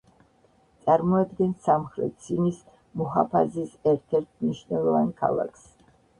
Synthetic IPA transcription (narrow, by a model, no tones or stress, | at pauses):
t̪sʼaɾmɔad̪ɡɛnsamχɾɛ̰t̪̚sʰinis | mɔɦapʰazisɛɾt̪ʰɛɾt̪ʰmniʃnɛlˠɔvankʰa̰lˠa̰kʰs